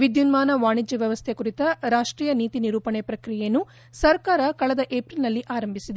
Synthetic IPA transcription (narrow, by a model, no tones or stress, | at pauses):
ʋid̪junmaːnɐʋaːɳid͡ʒjɐʋjɐʋɐst̪ʰekuɾit̪ɐɾaːʂʈɾiːjɐniːt̪iniɾuːpɐɳepɾɐkɾijejnːu | sɐɾkaːɾɐkɐɭɐd̪ɐʔeːpɾilnɐlːiʔaːɾɐmbʱisid̪e